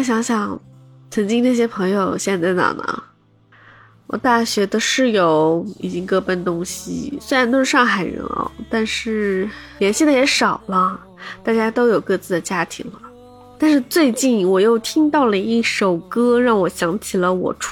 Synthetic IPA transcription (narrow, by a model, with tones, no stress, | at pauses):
ɕ̬jɑ˧˥ŋɕjɑ˨˩˦ŋ | t͡sʰə˧˥ŋt͡ɕi˥ŋna˥˩ɕ̬jɛ˥pʰɤ˧˥ŋjo˧ʊɕjɛ˥˧nt͡sa˥˩ɪna̰˨˩nə̰˧˩ | wɔ̰˨˩t̪a˥˩ɕɥɛ˧˥d̪ə˧ʂɻ̩˥˩jo˧˥ʊḭ˨˩t͡ɕi˥ŋkɤ˥˩pə˥˩nt̪ʊ˥ŋɕḭ˨˩swe˥ɪɻnt̪o˥ʂɻ̩˥˧ʂɑ˥˩ŋxa˨˩ɪɻə̰˧˥ɔ̰˧˩t̪a˥˧nʂɻ̩˥˩ljɛ˧˥nɕi˥˩d̪ə˩jɛ˧˥ʂɑ˨˩ʊlə˦ | t̪a˥˩t͡ɕja˥t̪o˥ʊjo˨˩ʊkɤ˥˧t͡sɹ̩˥˩d̪ə˩t͡ɕja˥t̪ʰḭ˧˥ŋlə˧ | t̪a˥˧nʂɻ̩˥˧t͡swe˥˧ɪt͡ɕi˥˩nwɔ˨˩jo˥˩ʊt̪ʰi˥ŋt̪ɑ˥˩ʊlə˩i˥˩ʂo˨˩ʊkɤ˥ɻɑ˥˩ŋwɔ˨˩ɕjɑ˧˥ŋt͡ɕʰi˨˩lə˦wɔ̰˨˩ʈ͡ʂʰ